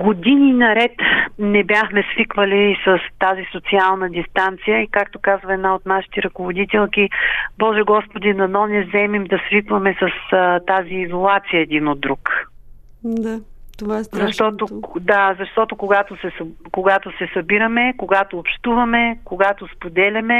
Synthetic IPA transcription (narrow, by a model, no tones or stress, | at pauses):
ɡod̪ininɐɾɛt̪nɛbʲjaxmɛsvikvɐlisɐst̪azisot̪sialˠnəd̪ʲist̪ant̪sijəikak̚t̪okazvɐɛd̪naot̪naʃi̥t̪ɛɾɐkovod̪it̪ɛlˠkibɔʒɛɡɔspod̪inɐnɔnɛzɛmimd̪ɐsvikvɐmɛsɐst̪aziːzolˠat̪sijəɛd̪inod̪ːɾuk | d̪at̪oazɐʃt̪ɔt̪od̪azɐʃt̪ɔt̪okoɡat̪osɛskoɡat̪osɛsɐbiɾəmɛkoɡat̪oːpʃt̪uvɐmɛkoɡat̪ospod̪ɛlʲɐmɛ